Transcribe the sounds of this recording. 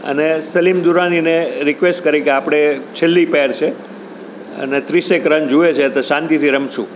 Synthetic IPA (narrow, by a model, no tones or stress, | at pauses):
ə̰nesəlimd̪uɾanineɾikʋesʈkəɾikeapɽ̃et͡ʃʰelːipɛɾt͡ʃʰe | ə̰net̪ɾisekɾənd͡ʒuet͡ʃʰet̪oʃãnt̪it̪ʰiɾəmʃʰṵ̃